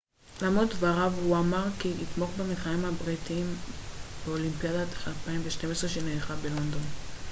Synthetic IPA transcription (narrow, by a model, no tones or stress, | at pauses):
lamotvaʁavuamaʁkiit̪mo̞χbemitχaimhabʁitiimbeo̞limpijadat̪e̥χalpaimveʃte̞mesʁeʃeneiχabelo̞nd̪o̞n